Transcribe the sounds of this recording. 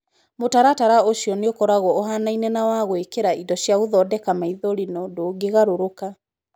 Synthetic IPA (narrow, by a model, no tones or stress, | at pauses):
motaɾataɾaoʃiɔneokɔɾaɣɔːɦanainɛnawaɣwekeɾaidɔɕjaoðɔːdɛkamaiðoɾinɔdoːɡeɣaɾoɾoka